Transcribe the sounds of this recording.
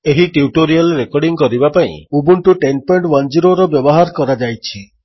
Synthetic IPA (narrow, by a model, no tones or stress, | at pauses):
eɦiʈiuʈoɾialɾekɔɾɖiŋkɔɾibapaḭ̃ubuɳʈuʈenpɔɳʈwand͡ʒiɾoɾɔbjɔbɔɦaɾkɔɾad͡ʒajt͡ʃʰi